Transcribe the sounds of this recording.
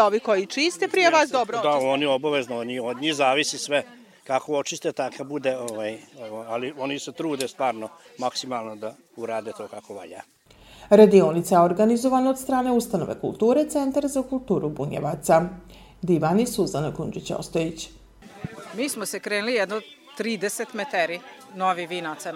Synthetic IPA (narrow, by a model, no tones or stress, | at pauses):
oʋikojit͡ʃist̪epɾijeʋaːsd̪obɾod̪aoniobaʋeznooɲiod̪ɲihzaːʋisisʋe | kakoot͡ʃist̪et̪akabud̪eoʋaːjoalio̞niset̪ɾuːd̪est̪ʋaːɾnomaksimalˠnod̪a | uɾaːd̪et̪oːkakoʋa̰ʎa̰ː | ɾad̪io̞nit̪sajeo̞ɾɡanizo̞ʋanaod̪st̪ɾaːne̞ust̪ano̞̰ʋḛkṵlˠt̪uːɾet̪se̞nt̪aɾzakulˠt̪uːɾubuɲḛʋat̪sad̪iʋanisuzanakund͡ʒit͡ɕo̰st̪ojit͡ɕ | miːsmosekɾeːnulijɛd̪not̪ɾiːd̪eset̪met̪eɾi | noʋiʋiːnat̪sa